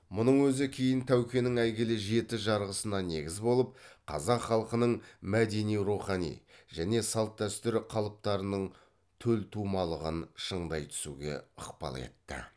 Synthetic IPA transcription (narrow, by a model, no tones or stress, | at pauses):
mʊnəɴwɵzɪkʲʰe̞jɪnt̪ʰæwkʲe̞nɪŋæjɡʲelɪʒe̞t̪ɪʒɑɾʁəsənɑne̞ɡʲɪzbo̞lˠəp̚qʰɑ̰zɑqχɑlˠqənəɴmæd̪e̞nijɾuχɑnḭjʒ̥æne̞sɑlˠt̪̚t̪æst̪ʏɾɪqʰɑlˠəp̚t̪ɑɾənəɴ | t̪ʰɵlt̪ʰumɑlˠəʁənʃəɴd̪ɑjt̪ʰʏ̥suɡʲe̞̰əqpɑ̰lˠḛt̪ːɪ̰